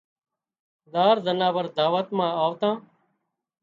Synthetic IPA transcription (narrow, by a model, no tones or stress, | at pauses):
d̪aːɾd̪ənãːbəɾd̪aːʋət̪mãːaːʋt̪ãː